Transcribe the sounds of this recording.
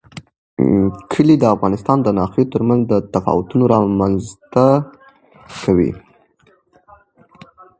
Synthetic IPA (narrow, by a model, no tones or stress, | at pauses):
kʰəlid̪əafɣɑnɪst̪ɑnd̪ənɑxet̪əɾmanzd̪ət̪afɑ̰wʊt̪unoɾɑmanzt̪a | kʰawḭ